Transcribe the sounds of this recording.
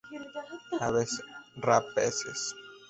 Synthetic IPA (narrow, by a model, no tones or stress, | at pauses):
aβesrapeses